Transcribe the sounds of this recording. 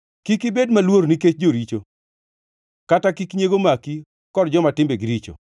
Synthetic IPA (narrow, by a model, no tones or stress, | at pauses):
kikibedmalwoɾniket͡ʃd͡ʒoɾit͡ʃo | katakikɲeɡomaki | kɔdd͡ʒɔmatɪmbeɡiɾit͡ʃo̰